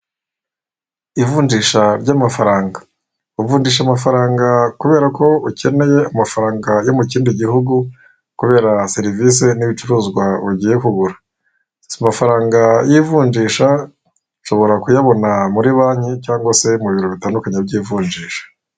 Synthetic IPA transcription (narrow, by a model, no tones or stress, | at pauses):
ivuːɲd͡ʒiːʃaɾɟamafaɾaːŋɡḁ | uvuːɲd͡ʒiːʃ̬amafaɾaːŋɡakuβe̞ːɾako̞uce̞ne̞je̞amafaɾaːŋɡajo̞muciːndiɟihuɡu | kuβe̞ːɾaseɾivis̬e̞niβit͡ʃuɾuːzɡwaβuɟiːje̞kuɡuɾḁ | samafaɾaːŋɡajivuːɲd͡ʒiːʃa | ʃo̞βo̞ɾakujaβo̞namuɾiβaːɲicaːŋɡwase̞muβiɾoβitaːndukaɲab̚ɟiːvuːɲd͡ʒiːʃḁ